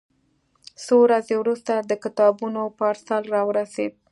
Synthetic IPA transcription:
soɾazewɾust̪ad̪əkɪt̪ɑbunopɑɾsalɾɑwəɾased̪̚

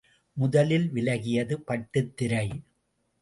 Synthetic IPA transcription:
mʊðɐlɪlʋɪlɐɣɪjɐðɯpɐʈːɯt̪ːɪɾɐɪ

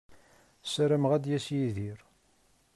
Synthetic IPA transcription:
sɾəmʁæd̪jæsjiðiɾ

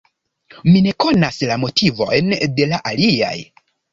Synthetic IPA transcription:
mine̞ko̞naslamo̞tʰivo̞̰jnde̞laʔalia̰j

